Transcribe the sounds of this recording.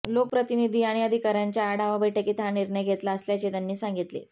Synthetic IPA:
lok̚pɾət̪inid̪ʱiːaɽ̃iəd̪ʱikaɾjaɲt͡ɕjaːɽaʋabəʈəkiːt̪aniɾɳəjɡʱet̪laəsljat͡ɕet̪janːiːsãŋɡit̪lḛ

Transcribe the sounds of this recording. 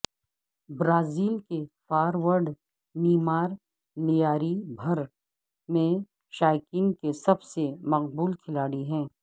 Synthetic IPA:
bɾaːziːlkefaːɾwəɾɖ | niːmaːɾ | nɪjaːɾibʱɐɾ | mẽ | ʃaːjkinkesɐbsemɐqbuːlkʰɪlaːɽiɦɛ̃ː

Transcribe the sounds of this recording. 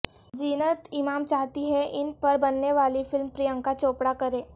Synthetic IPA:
d͡ʑinət̪imamt͡ɕaɦt̪iɦeʔinpəɾbənːeʋaliːfilmpɾijəŋkat͡sopɽakəɾe

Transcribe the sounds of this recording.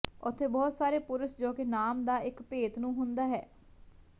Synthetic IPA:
ʊt̪ʰːeːbɔːt̪saːɾeːpʊɾəsd͡ʒoːkeːnaːmd̪aːɪkpeːt̪nũːɦʊnd̪aːɦɛː

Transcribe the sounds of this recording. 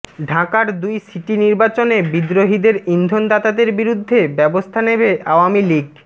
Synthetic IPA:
ɖʱakaɾd̪ujsiʈiniɾbat͡ɕonebid̪ɾoɦid̪eɾind̪ʱond̪at̪ad̪eɾbiɾud̪ʱːebɛbost̪ʰanebeʔaoamiliɡ

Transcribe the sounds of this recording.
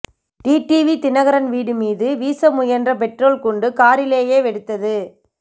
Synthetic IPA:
ʈiːʈiːʋit̪ɪnɐɣɐɾɐnʋiːɽɯmiːðɯʋiːsɐmʊjɐndrɐp̬ɛʈroːlkɔɳɖɯkaːɾɪleːjeːʋɛɽɯt̪ːɐðɯ

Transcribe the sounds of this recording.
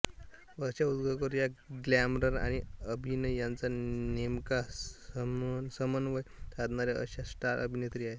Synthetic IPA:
ʋəɕaud̪ɡʱəkəɾujaɡlamɾəɾa̰ɽ̃iəbʱinəjant͡sanemkasəmnsəmənʋəjt̪ʰad̪naɾjaʔə̰ɕasʈaɾʔə̰bʱinet̪ɾiːae

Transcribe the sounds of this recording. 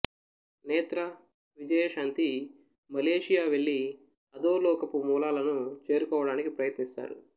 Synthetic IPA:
nɛːt̪ɾɐ | ʋid͡ʒɐjɐʂaːnt̪i | mɐleːʂijaːʋe̞ɭːi | ɐd̪oːlɔːkɐpumuːlaːlɐnut͡ʃe̞ːɾukɔːʋɐɽaːnikipɾɐjɐt̪nist̪a̰ːɾṵ

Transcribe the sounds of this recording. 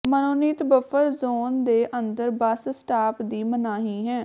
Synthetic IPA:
mənoːniːt̪bəfʰəɾzoːnd̪eːʔənd̪əɾbəssʈaːpd̪iːmənaːɦiːɦɛ̃ː

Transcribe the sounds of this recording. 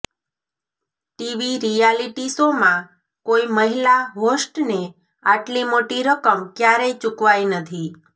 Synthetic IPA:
ʈiʋiɾijaliʈisomã | koiməɦilaɦosʈne | aʈlimoʈiɾəkəmkjaɾəjt͡ʃʊkʋajnət̪ʰi

